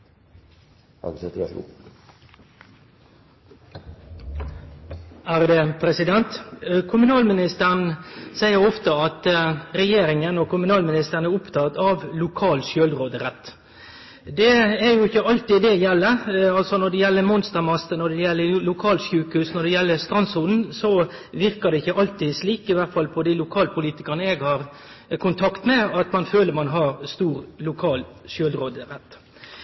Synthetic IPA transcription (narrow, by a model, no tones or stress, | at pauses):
æːʁd̪ɛpʰɾɛsɪd̪ɛnt̪kʰʊmʉnɑːlmɪnɪst̪ən̩sæɪəɾɔft̪əɑt̪ɾɛjeːɾɪŋənɔkʊmʉnɑːlmɪnɪst̪ənæɾʊpt̪ʰɑːt̪ɑʋlʊkʰɑːlʃjølɾoːd̪əɾɛt̪ː | d̪ɛæɾjʊɪçːəɑlt̪ɪd̪ɛjɛlːəɑlsɔnɔɖ̪ɛjɛlːəmɔnst̪əɾmɑst̪ənɔɖ̪ɛjɛlːəlʊkʰɑːlʂʉːkhʉsnɔdɖ̪ɛjɛlːəɾst̪ɾʁɑnsʊld̪n̩sɔʋɪɾkəd̪ɛɪçːəʔɑlt̪ɪsliːkɪʋæʁt̪fɑlpʰɔd̪ɪlʊkʰɑːlpʰʊliːt̪ɪkənəɛɡhɑːɾ | kʰʊnt̪ʰɑkt̪mɛɑt̪mɑnføːləɾmɑnɦɑɾst̪uːɾlʊkʰɑːlʂjøːlɾoːd̪əɾɛt̪ː